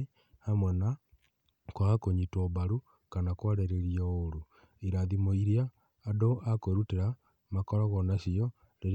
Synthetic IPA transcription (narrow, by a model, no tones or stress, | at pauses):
hamwena | kwaakoɲitwɔβaɾu | kanakwaɾeɾeɾiaoɾu | iɾaðimoiɾjaː | doʔakweɾuteɾa | makɔɾɔɣɔnaʃijɔ | leɾ